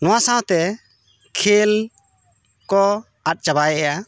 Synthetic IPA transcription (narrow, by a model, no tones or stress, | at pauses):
nɔwasãwt̪ɛ | kʰel | kɔ | at̚ˀt͡ʃabajʔɛja